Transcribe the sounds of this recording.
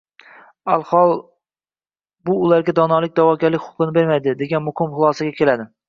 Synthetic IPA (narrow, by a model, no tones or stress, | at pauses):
alˠhɒlˠ | bʊːlaɾɡʲad̪ɒnɒlˠɪk̚ʲd̪avɒkʲaɾlɪkʲχʊ̥qʰɨnɪbe̞ɾmajd̪ɪd̪e̞ɡʲanmʊhɪmχʊlˠɒsaɡʲakʲʰe̞lad̪ɪ